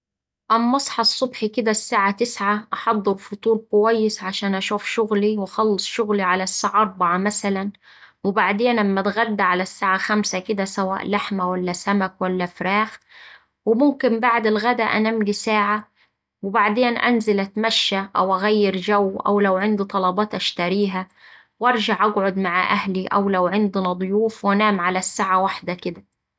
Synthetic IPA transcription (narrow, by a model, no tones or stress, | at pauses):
ʔamːɑsˤħɑsˤːʊbħikɪd̪asːaːʕat̪ɪsʕaʔɑħɑd̪ˤːɨɾfʊt̪ˤuːɾkʊwajːɪsʕaʃaːnʔaʃuːfʃʊɣliwɪxɑlːɨsˤʃʊɣliʕalasːaːʕʔɑɾˤbɑʕamasalan | wɪbaʕd̪eːnlamːat̪ɣad̪ːaʕalasːaːʕaxamsakɪd̪asawa̰ːʔlaħmawalːasamakwalːafɾaːx | wɪmʊmkɪmbaʕd̪ɪlɣad̪aʔanamlisaːʕa | wɪbaʕd̪eːnʔa̰nzɪlʔat̪maʃːaʔawʔaɣajːɪɾd͡ʒawːʔa̰wlawʕɪnd̪it̪ˤɑlɑbɑːt̪ʔaʃt̪aɾiːɦa | wʔɑɾˤʒɑʕʔaɡʕʊd̪maʕʔahliʔa̰wlawʕɪnd̪nɑd̪ˤʊjuːfwanaːmʕalasːaːʕawaħd̪akɪd̪a